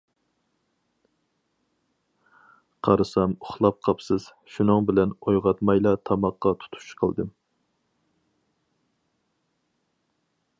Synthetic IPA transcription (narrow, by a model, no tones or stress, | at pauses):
qʰɑɾɨsɑmʊχlˠɑp̚qʰɑpsɨz̥ | ʃunɨŋbɪlɛnojʁɑt̪mɑjlˠɑt̪ʰɑmɑqːɑt̪ʰu̥t̪ʰu̥ʃqʰəlˠd̪ɨm